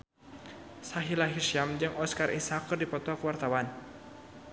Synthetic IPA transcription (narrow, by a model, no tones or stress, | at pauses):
saɦilaɦiʃamd͡ʒɨŋʔɔskarʔisakɨrdipɔt̪ɔakəwart̪awan